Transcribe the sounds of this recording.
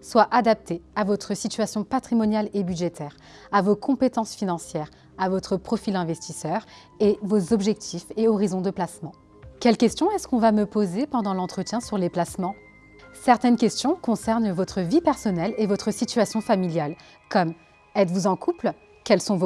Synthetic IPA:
swaʔad̪ap̚t̪eavɔt̪χəsit̪ɥasjɔ̃pat̪χimɔnjalebyd̪ʒet̪ʰɛːʁ | avokʰɔ̃pet̪ɑ̃sfinɑ̃sjɛʁ | avɔt̪χəpχɔfilɛ̃vɛst̪isœʁ | evozɔbʒɛk̚t̪ʰifeɔʁizɔ̃d̪əplasmɑ̃ | kʲɛlkʲɛst̪jɔ̃ɛskɔ̃vaməpozepɑ̃d̪ɑ̃lɑ̃t̪χət̪jɛ̃syʁleplasmɑ̃ | sɛʁt̪ɛnkʲɛst̪jɔ̃kɔ̃sɛʁnvɔt̪χəvipɛʁsɔnɛlevɔt̪χəsit̪ɥasjɔ̃familjal | kɔm | ɛt̪vuzɑ̃kʰupl | kʲɛlsɔ̃vo

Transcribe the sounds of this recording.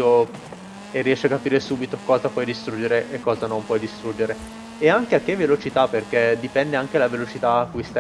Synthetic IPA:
o | erːiɛʃːeakːapiːɾesuːbit̪okɔːzapwɔjd̪ist̪ɾud͡ʒːeɾeʔekːɔːzanompwɔjd̪ist̪ɾud͡ʒeɾe | eaŋkeakːevːelot͡ʃit̪aperk̟ed̪ipɛnd̪eaŋkelavelot͡ʃit̪aːkːujst̪a

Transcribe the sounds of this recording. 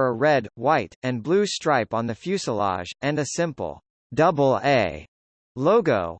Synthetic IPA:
əɹɛd̚waɪɾɨ̃nblʉstɹ̥aɪpn̩ðɨfjʉsəlɑ̰ʒɨ̃nɨsɪ̃mpl̩ˠ | dʌbl̩ˠeɪ | loʊɡo̰ʊ

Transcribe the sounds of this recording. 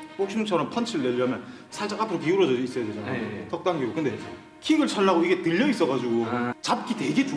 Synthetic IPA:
hok̚ɕ͈ʰinɯŋt͡ɕʰʌɾʌnpʰʌnt͡ɕʰiɾɯɭneʎamjʌn | sʰaɭt͡ɕ͈akapʰɯɾopiuɾʌd͡ʑʌis͈ʌjade̞d͡ʑanaajtʌk̚t͈aŋɡiɡokɯnde̞ | kʰiɡɯɭt͡ɕʰanːaɡoiɡe̞tɯʎːʌis͈ʌɣad͡ʑiɡot͡ɕap̚k͈ite̞ɡetu

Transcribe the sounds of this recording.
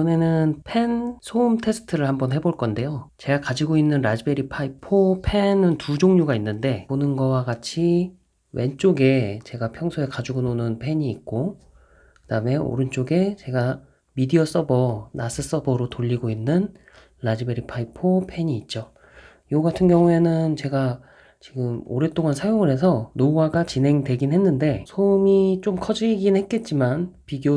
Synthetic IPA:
ʌne̞nɯnpʰe̞nsʰoumtʰe̞sʰɯ̥tʰɯɾɯɭhambʌnhe̞boɭk͈ʌnde̞jot͡ɕe̞ɡakad͡ʑiɡoinːɯnɾad͡ʑibe̞ɾipʰaipʰopʰe̞nɯntud͡ʑoŋɲoɡainːɯnde̞onɯnɡʌwaɡat͡ɕʰi | we̞nt͡ɕ͈oɡe̞t͡ɕe̞ɡapʰjʌŋsʰoe̞kad͡ʑuɡononɯnpʰe̞ɲiːk̚k͈o | kɯd̥aɯme̞o̰ɾɯnt͡ɕ͈oɡe̞t͡ɕe̞ɡa | midiʌs͈ʌbʌnas͈ɯs͈ʌbʌɾotoʎːiɡoinːɯn | lad͡ʑibeɾipʰaipʰopʰe̞ɲiːt̚t͡ɕ͈o | joɡatʰɯnɡjʌŋue̞nɯnt͡ɕe̞ɡa | t͡ɕiɡɯmo̰ɾe̞t͈oŋansʰajoŋɯɾɦe̞s̬ʰʌnoɡaɡat͡ɕinɦe̞ŋde̞ɡinɦe̞nːɯnde̞sʰomit͡ɕ͈omkʰʌd͡ʑiɡinhe̞t̚k͈e̞t̚t͡ɕ͈imanpiɡjo

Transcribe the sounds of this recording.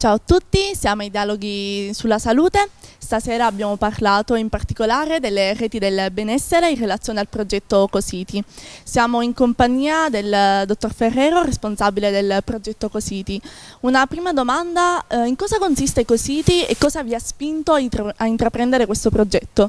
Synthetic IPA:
t͡ʃaːoat̪ːut̪ːisjaːmoajd̪jaːloɡisulːasaluːt̪est̪asɛːɾaːbːjaːmoparlaːt̪oimpart̪ikolaːɾed̪elːerɛːt̪id̪elbɛnɛsːeɾeinrːelat̪sjoːnealpɾod͡ʒɛt̪ːokosiːt̪isjaːmoiŋkompaɲːiːad̪eld̪ot̪ːorferːɛːɾoresponsabiled̪elpɾod͡ʒɛt̪ːokosiːt̪iunapɾiːmad̪omand̪aiŋkɔːzakonsist̪ekosiːt̪iḛkːɔːzaviaspint̪oaaint̪ɾapɾɛnd̪eɾekwest̪opɾod͡ʒɛt̪ːo

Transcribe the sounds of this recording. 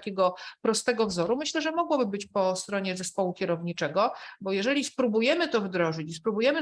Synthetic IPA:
kʲɛɡɔpɾɔst̪ɛɡɔvzɔɾumɘɕlɛʐɛmɔɡwɔbɘbɘt͡ɕpɔst̪ɾɔɲɛzɛspɔwukʲɛɾɔvɲit͡ʂɛɡɔbɔjɛʐɛlʲispɾubujɛmɘt̪ɔvd̪ɾɔʐɘt͡ɕispɾubujɛmɘ

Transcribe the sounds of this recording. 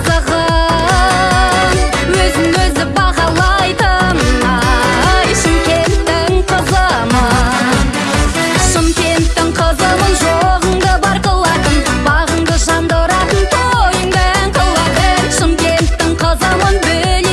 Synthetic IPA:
zəʁə | wɵzɪnwɵzd̪ɪbɑʁɑlˠɑjt̪əm | jʃəmkʲʰent̪ːɪŋqʰəzəmə | ʃəmkʲe̞nt̪ːɪŋqʰəzəmənʒoʁəɴd̪əbɑɾqəlˠɑt̪ənbɑʁəɴd̪əʒɑnd̪əɾɑt̪ənt̪ʰojəŋd̪əæŋqʰəlˠɑəʃəmkʲe̞nt̪ːɪŋqʰəzəmənbɪl

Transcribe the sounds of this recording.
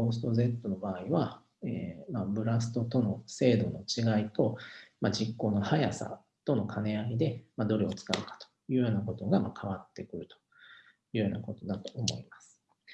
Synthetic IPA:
oːsɨ̥t̪o̞ze̞t̪ːo̞no̞baːiβa | eːmabɯ̟ɾas̬ɨ̥t̪o̞t̪o̞no̞se̞ːd̪o̞no̞t͡ɕiɡait̪o̞mad͡ʑikːo̞ːno̞hajasa̰ | t̪o̞nokʰane̞aɡʲid̪e̞mad̪o̞ɾeo̞t͡sɨ̥ka̰ɯ̟kḁt̪o̥jɯ̟ːjo̞ːnako̞t̪o̞ɡamakʰaβ̞at̪ːe̞kɯ̟ɾɯ̟t̪o̥ | jɯ̟ːjo̞ːnako̞t̪o̞d̪at̪o̞ʔːmo̞imasɨ̥

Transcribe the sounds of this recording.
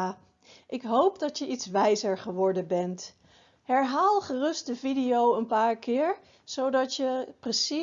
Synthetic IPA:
ʔɪkɦowpdɑtjəʔitsʋɛjzəɹχəʋɔɹdənbɛnt | ɦɛɹɦaːlˠχərɵst̚dəvidijowənpaːɹkɪːɹ | z̥owdɑtjəprəsi

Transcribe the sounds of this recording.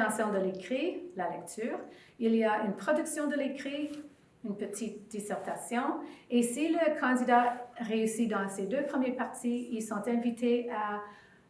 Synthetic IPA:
ɑ̃sjɔ̃d̪əlekχilalɛk̚t̪ʰyːʁ | iliaynpχɔd̪yksjɔ̃d̪əlekχi | ynpət̪ʰit̪̚d̪̥isɛʁt̪asjɔ̃esiləkʰɑ̃d̪id̪aʁeysid̪ɑ̃sed̪øpχəmjɛpaʁt̪ʰiilsɔ̃t̪ɛ̃vit̪ʰea

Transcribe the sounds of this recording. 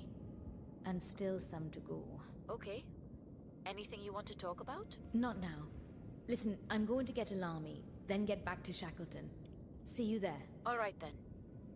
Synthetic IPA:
ʔə̃nstɪlˠsʌ̃mtʰɨɡo̰ʊ | oʊkʰeɪ | ɛniθɪ̃ŋjɨwɑ̃ntʰɨtʰɔkəbaʊtnətⁿnaʊ | lɪsɨ̃nʔãɪ̃mɡoʊɪ̃ŋtʰɨɡɛɾɨlɑɹmḭ | ðɨ̃nɡɛt̚b̥æk̚tʰɨʃækl̩ˠtɨ̃n | sijɨðə˞ | ɔlˠɹaɪt̪̚ðɨ̃n

